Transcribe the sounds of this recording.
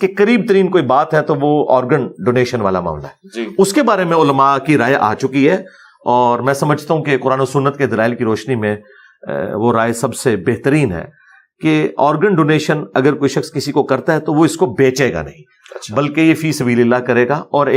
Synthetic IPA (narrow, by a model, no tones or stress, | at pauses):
kekɐɾiːb̚t̪əɾiːnkoːibaːt̪ɦɛt̪oʋoɔːɾɡəɳɖoːneːʃənʋa̰ːlama̰ːmla̰ɦɛd͡ʒiʊskebaːɾemẽʊlmakiɾaːjeʔa̰ːt͡ʃʊkiɦɛː | ɔːɾmɛ̃ːsɐməd͡ʒʱt̪aɦũkekʊɾaːnosʊnːət̪ked̪ɐlaːɪlkiɾɔːʃnimẽ | ʋoɾaːesɐbsebeɦt̪əɾiːnɦɛ̰ː | keɔːɾɡəɳɖoːneːʃənɐɡəɾkoːiʃɐxskɪsikokɐɾt̪aɦɛt̪oʋoɪskobeːt͡ʃeːɡa̰nɐ̰ɦĩ | ɐʃbɐlkejefiːsɐbiːleɪlakɐɾeːɡaɔːɾ